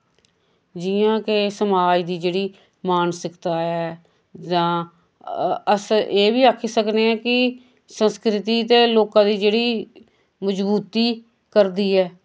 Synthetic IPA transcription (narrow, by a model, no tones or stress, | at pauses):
d͡ʒɪjãːkesəmaːd͡ʒd̪iːd͡ʒeːɽiː | maːnsəkt̪aːɛː | d͡ʒãː | əseːbiːaːkʰiːsəkneːɛːkɪ | sənskɾɪt̪iːt̪eːloːkãːd̪iːd͡ʒeːɽiː | məd͡ʒbuːt̪iː | kəɾd̪iːɛː